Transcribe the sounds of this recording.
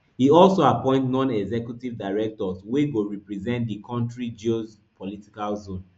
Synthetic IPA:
hiɔlsoapɔ̃ɪ̃ntnɔ̃nɛɡzɛkjutivdaɪɹɛk̚tɔsweɡoɹipɹizɛ̃nt̚dikʰɔ̃ntɹid͡ʒoz | pʰɔliti̥kalzõn

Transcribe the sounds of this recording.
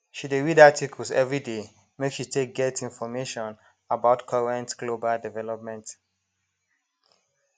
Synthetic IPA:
ʃideɹidatikʰəlsɛvɹide | mekʃitʰek̚ɡɛtĩnfɔmeʃɔ̃n | abaʊtkʰʌɹɛ̃ntɡ̥lobaldɛvɛlɔp̚mɛ̃nt

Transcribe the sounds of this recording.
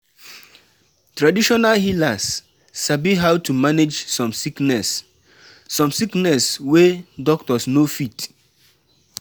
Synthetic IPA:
tɹadiʃɔnalɦilasː | abiɦawtʰumaned͡ʒsɔ̃msiknɛsː | ɔ̃msiknɛswedɔk̚tɔsnofit

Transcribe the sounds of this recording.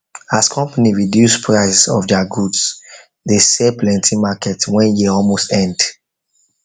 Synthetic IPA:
askʰɔ̃mpaniɹidjuspʰɹaɪssɔ̰fdaɡuds | desɛplɛ̃ntʰĩmakɛtwɛ̃njeɔlmostɛ̃nd

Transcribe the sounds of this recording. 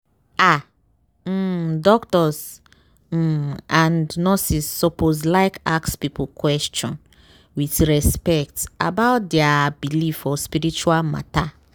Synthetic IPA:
a | dɔktɔs̩ | ãndnɔsisːɔpozlaɪkakspipukwɛst͡ʃɔ̃n | witɹɛspɛkta̰baʊt̚dɛabilifɔspiɾit͡ʃualma̰ta

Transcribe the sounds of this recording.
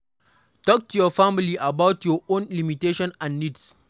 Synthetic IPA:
tɔk̚tʰujɔfamɪliʔabawtjɔʔonlimiteːʃɔnãnːids

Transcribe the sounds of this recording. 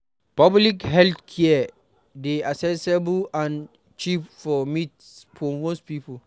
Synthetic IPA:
pablikɦɛltkʰɛ | deasɛsebulãn | t͡ʃipfɔmitspʰomospipə

